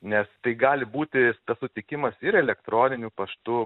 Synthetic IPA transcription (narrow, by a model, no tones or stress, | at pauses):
nʲɛst̪ɐɪɡɑːlʲɪbuːt̪ʲɪt̪ɐssʊt̪ʲɪkʲɪmɐsɪɾɛlʲɛkt̪ɾoːnʲɪnʲuːpɐʃt̪ʊ